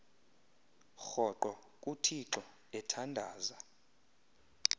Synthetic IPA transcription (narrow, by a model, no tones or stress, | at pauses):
xɔǃwɔ | kʼutʰiǁɔ | ɛtʰandʱaːza